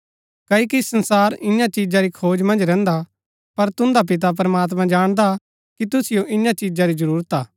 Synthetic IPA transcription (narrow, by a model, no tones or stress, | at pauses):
kɐːikisɐnsaːɾɪ̃jãt͡ʃid͡ʒaɾikʰoːd͡ʒmɐ̃nd͡ʒɾɛ̃ːnd̪a | pɐɾt̪ʊ̃nd̪ap̬ɪt̪̬ap̬ɾɐmaːt̪̬mãd͡ʒaːɽ̃d̪a | kit̪ʊsɪjoʔɪ̃jãt͡ʃid͡ʒaɾid͡ʒɐɾuːɾət̪aː